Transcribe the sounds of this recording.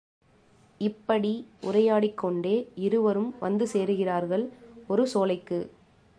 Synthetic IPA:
ɪpːɐɽiʊrɐjaːɽɪkːɔɳɖeːɪɾɯʋɐɾɯmʋɐ̰nd̪ɯseːɾɯɣɪraːɾɣɐɭɔɾɯsoːlɐɪkːɯ

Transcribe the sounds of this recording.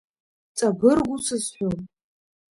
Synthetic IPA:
t͡sʼabɨrɡʷusʰɨsħʷᶣon

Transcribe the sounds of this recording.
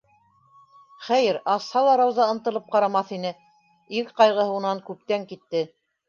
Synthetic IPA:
χæjɘɾɑshɑlˠɑɾɑwzɑɤ̆nt̪ɤ̆lˠɤp̚qɑɾɑmɑθinɘ | ikqɑjʁɤ̆hɤunɑŋkʉp̚t̪æŋkit̪ːɘ

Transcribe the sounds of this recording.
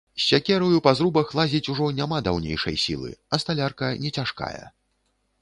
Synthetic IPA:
sʲːakʲɛɾɐjupɐzɾubɐxlˠazʲit͡sʲuʐɔnʲamad̪awnʲḛjʂɐ̰jsʲḭlˠɨ̰ɐst̪alʲarkɐnʲɛt͡sʲaʂka̰jɐ̰

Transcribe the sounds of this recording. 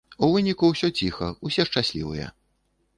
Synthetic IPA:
uvɨnʲikuwsʲɔt͡sʲixɐusʲɛʂt͡ʂasʲlʲivɨ̰jɛ̰

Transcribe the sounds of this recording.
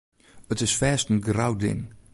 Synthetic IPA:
ətɪsfɛːstənɡrawdɪ̰n

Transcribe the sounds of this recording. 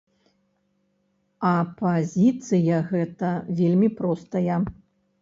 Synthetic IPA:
ɐpazʲit̪sɨjɐɣɛt̪ɐvʲelʲmʲipɾɔst̪ɐjɐ

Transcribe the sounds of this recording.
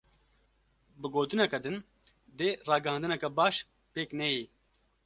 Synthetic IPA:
bɨɡoːt̪ɨnɛkɛd̪ɨn | d̪eːrɑːɡɨhɑ̃ːnd̪ɨnɛkɛbaːʃ | peːknɛji

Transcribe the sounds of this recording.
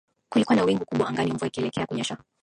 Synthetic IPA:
kulikuwanawiŋɡukuɓwaaŋɡaniuɱvaikiɛlɛkɛakuɲaʃwa

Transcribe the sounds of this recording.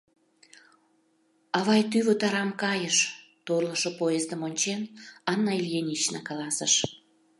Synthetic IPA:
ɑβɑjt̪yβot̪ɑɾɑmkɑjəʃ | t̪orləʃopojezd̪əmonʲt͡ɕenɑnːɑilʲjenʲit͡ɕnɑkɑlɑsəʃ

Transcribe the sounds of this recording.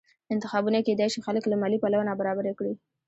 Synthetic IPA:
ɪnt̪ɪxɑbuneked̪ajʃixaləklamɑlipalawanabaɾɑbaɾekɽi

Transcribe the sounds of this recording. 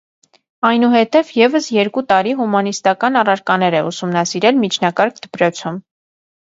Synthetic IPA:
ɑjnuɦɛt̪ɛvjɛvəsjɛɾkut̪ɑɾiɦumɑnist̪ɑkɑnɑrɑɾkɑnɛɾɛusumnɑsiɾɛlmit͡ʃʰnɑkɑɾk̚ʰd̪̥əpɾɔt͡sʰum

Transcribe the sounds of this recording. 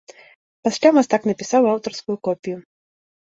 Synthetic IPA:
pasʲlʲamast̪aknɐpʲisawawt̪ɔrskujukɔpʲiju

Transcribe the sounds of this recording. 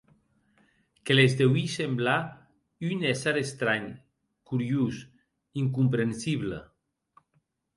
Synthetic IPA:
kelezd̪ewisembla | ynesaɾest̪ɾaɲ | kuɾjus | iŋk̬umpɾensiβlə̰

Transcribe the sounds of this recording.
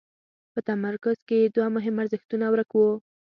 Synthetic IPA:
pət̪amaɾkʊz̥ked̪wɑmʊɦɪmaɾzɪxt̪unawɾəkwo

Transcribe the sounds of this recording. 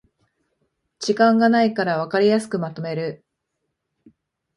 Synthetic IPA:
d͡ʑikãŋɡanaikaɾaβ̞akaɾʲijasɨ̥kɯ̟mat̪o̞me̞ɾɯ̟

